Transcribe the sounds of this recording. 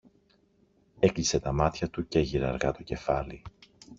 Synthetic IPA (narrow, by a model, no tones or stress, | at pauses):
e̞klise̞t̪ɐmɐt̪çɐt̪uceʝiɾɐ̰ɾɣɐ̰t̪o̞ce̞fɐli